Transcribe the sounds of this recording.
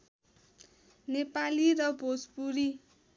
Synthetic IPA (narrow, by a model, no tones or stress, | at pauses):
nepaliɾʌbospuɾi